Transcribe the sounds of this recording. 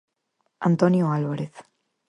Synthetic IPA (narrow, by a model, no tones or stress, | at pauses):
a̰nt̪onioalβaɾeθ